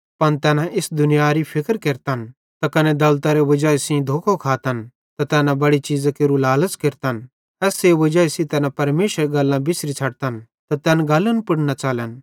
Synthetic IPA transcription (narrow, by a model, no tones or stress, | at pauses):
pɐnt̪ɛːnãʔɪsd̪ʊnɪjaɾipʰɪkəɾkeɾt̪an | t̪akɐned̪ɐlt̪aɾeʋɐd͡ʒaːisĩd̪ʱoːkʰokʰaːt̪ɐn | t̪at̪ɛːnãbɐɽit͡ʃiːzakeːɾulaːləskeːɾt̪an | ɛːseʋɐd͡ʒaːisĩt̪ɛːnãpɐɾmeːʃəɾɡɐlːãbɪsɾit͡sʰɐɽt̪ɐn | t̪at̪ɛːnɡɐlːənpɪɽnat͡ʃaːlən